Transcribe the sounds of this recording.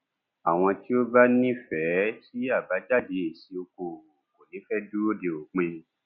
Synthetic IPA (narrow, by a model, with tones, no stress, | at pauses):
a˨w̃ɔ̃˧ti˦o˦ba˦nĩ˦fɛ˨˦si˦a˦˨ba˨˦d͡ʒa˦˨de˨˦e˨si˧˦o˧ko˧˨o˨ko˨nĩ˨˦fɛ˦du˦o˦de˨o˨k͡pẽ˧